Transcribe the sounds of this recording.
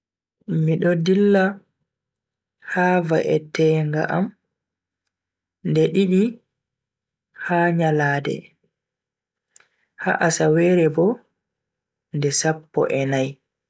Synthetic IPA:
miɗɔdilːa | haːva̰ʔɛtɛːŋɡa̰ʔa̰m | ndɛɗiɗi | haɲalaːdɛ̰ | ha̰ʔasawɛːɾɛbɔ | ndɛsapːɔ̰ʔɛnaj

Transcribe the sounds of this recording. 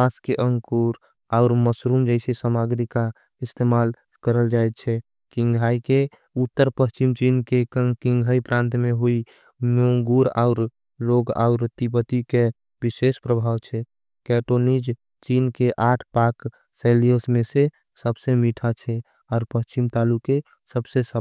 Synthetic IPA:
paskeʔə̃ŋkuɾ | aʊɾməsɾumd͡ʒəɪsesamaɡɾika | ɪst̪emal | kəɾəld͡ʒaet̪̚t͡ʃʰɛ | kɪ̃ŋɡʱaike | ut̪ːəɾpəst͡ʃimt͡ʃinkekĩŋɡʱaipɾãːnt̪meɦoi | moŋɡuɾa̰ʊɾ | loɡa̰ʊɾt̪ipət̪ike | biʃespɾəbʱaːwt͡ʃʰɛ | kɛʈonid͡ʒ | t͡ʃinkeʔaːʈʰpak | selijosmẽse | səbsemiʈʰat͡ʃʰɛ | ɔːɾpəst͡ʃimt̪aːluke | səbsesə

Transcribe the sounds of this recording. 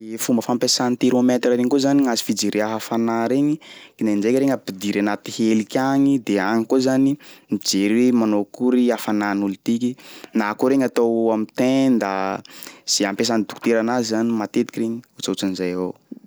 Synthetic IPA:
efumbəfampesanit̪iɾomet̪rəɾeŋikozaniazi̥fid͡ʒeɾiaɦafanaɾeŋikinand͡ʒejkiɾeŋapid̪iɾanat̪ihelikʲaŋid̪eaŋikozanimid͡ʒeɾemanokuɾiafananulut̪ikinakoɾeŋat̪awamit̪ẽnd̪a | z̥eampes̬anid̪uku̥t̪eɾanazizanimat̪et̪i̥kireɲiut͡saut͡sunizaja

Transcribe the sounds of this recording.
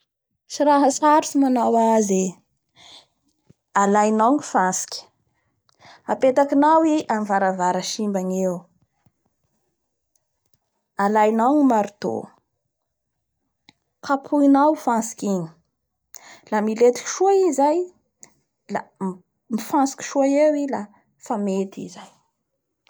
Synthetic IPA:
siɾaɦasaɾusimanawaze | alajnawnifansi̥kʲi̥ | apet̪akinawiʔamvaɾavaɾaʃimbanew | alajnawnimaɾut̪o̰ | kapʰuinawfansi̥kiɲi̥ | lamilet̪i̥ki̥ʃuaizaj | la | mifãnsi̥kʲi̥ʃuaewila | famet̪ḭzaj

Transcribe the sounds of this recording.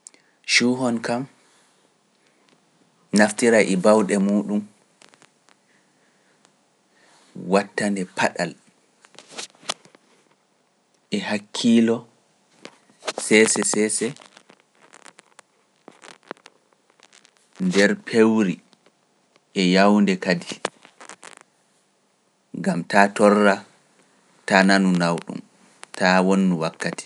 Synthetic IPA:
ʃuɦɔnkam | naftiɾaʔɛbawɗɛmuːɗum | watːandɛpʰaɗal | ʔɛhakʰːiːlɔ | sɛːsɛsɛːsɛ | ndɛɾpʰewɾi | ʔɛjawndɛkadi | ŋɡamtatɔrːa | tananunawɗṵm | tʰawonːuwakːati̥

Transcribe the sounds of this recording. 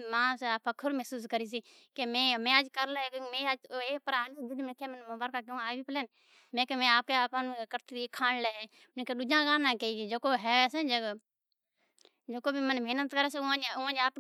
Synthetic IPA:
mãːseaːpʰəkʰəɾmɛɦsuːs̬kəɾiːs̬iː | kemẽːmẽːəd͡ʒkəɾlekːmẽːeːpəɾaːlid͡ʒɪd̪mɪkʰeːmənmobaːɾkaːk̬ẽaːʋiːpəleːn | mẽːkemẽːaːp̚keːaːpankəɾt̪iikʰãːɳleːɛː | keːɗʊd͡ʒãːɡaːnãːkeid͡ʒoːkoːɦɛːeːsẽd͡ʒe | d͡ʒoːkoːbʱiːmənbʱeːnət̪kəɾɛːseʊãʊãːnaːp

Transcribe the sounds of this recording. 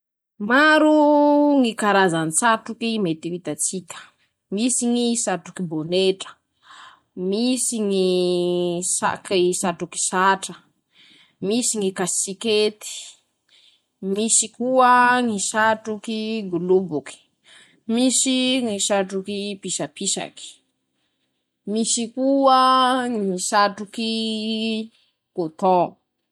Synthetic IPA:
maɾuŋikaɾazant͡saʈ͡ʂukimet̪iwit̪at͡sikʲə̥ | misiŋisaʈ͡ʂukiboneʈ͡ʂə̥ | misiŋi | sa̰kisaʈ͡ʂuki̥saʈ͡ʂə̥ | misiŋikasiket̪i̥ | misikuəŋisaʈ͡ʂukiɡulubuki̥ | misiŋisaʈ͡ʂukipisapisa̰ki̥ | misikuəŋisaʈ͡ʂuki | kot̪ɔ

